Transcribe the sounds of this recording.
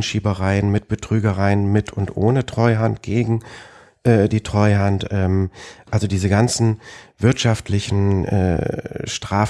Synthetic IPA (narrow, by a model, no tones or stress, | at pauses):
nʃiːbəʁaɪənmɪt̚b̥ətʁ̥yːɡəʁaɪənmɪtʰʊntʔoːnətʁ̥ɔʏɦant̚ɡ̥eːɡŋ̩ | ʔɛːdiːtʁ̥ɔʏɦantʔɛːmʔalzodiːzəɡant͡sn̩vɪɐtʃaftʰlɪçn̩ʔɛ̰ːʃtʁ̥aːf